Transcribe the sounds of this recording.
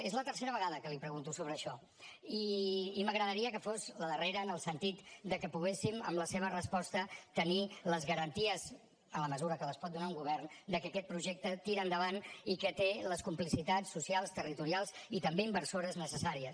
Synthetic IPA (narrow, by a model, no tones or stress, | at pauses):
ezlət̪ərseɾəβəɣaðəkəlipɾəɣunt̪usoβɾəːʃɔ | iːməɣɾəðəɾiəkəfozləðəreɾəːnəlˠsənt̪it̪d̪əkəpuɣ̞esimə̰mləseβ̞ərəspɔst̪ət̪əniləzɣəɾənt̪iəz | ənləməzuɾəkələspɔt̪̚d̪unauŋɡuβ̞ɛrnd̪əkəkɛt̪̚pɾuʒɛk̚t̪ət̪iɾəːnd̪əβ̞anikət̪eləskumplisit̪at͡ssːusialˠst̪ərit̪uɾialˠzit̪əmbeimbərsoɾəznəsəsaɾiəs